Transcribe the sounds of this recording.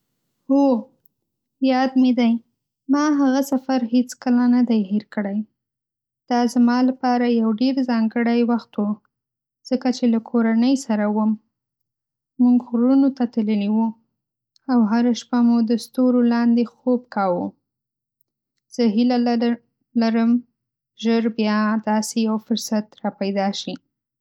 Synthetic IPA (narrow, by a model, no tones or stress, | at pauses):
ho | jɑd̪med̪aj | mɑɦaɣasafaɾhet͡skəlanad̪ajɦiɾkəɽaj | d̪̥ɑzamɑlapɑɾajawɖeɾzɑŋɡəɽajwaxt̪wu | z̥əkat͡ʃelakʰoɾanəjsaɾawəm | muŋɡɣɾunot̪at̪aləliwu | awɦaɾaʃpamud̪əst̪oɾolɑnd̪exobkɑwu | z̥əɦila | laɾəm | ʒəɾbjɑd̪ɑsejawfʊɾsat̪ɾɑpajd̪ɑʃi